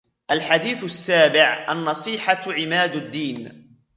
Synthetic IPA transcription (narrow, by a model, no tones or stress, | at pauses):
ʔalħad̪iːθasːaːbɪʕʔanːɑsˤiːħaʕɪmaːd̪ad̪ːiːn